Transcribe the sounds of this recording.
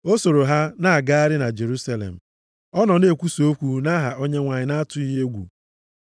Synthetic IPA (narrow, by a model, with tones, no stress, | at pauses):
o˦so˨ɾo˨ɦa˦na˨a˨ɡa˦a˦ɾɪ˦na˨d͡ʒe˨ɾu˦sa˦lḛ˨m̩˨ | ɔ˦nɔ˨ne˨kʷu˦so˦kʷu˦na˦ɦa˨ʔo˦ɲe˦ŋʷa˨ɲɪ˨˦na˦a˦tʊ˨˦i˦ɦe˦ɡʷṵ˨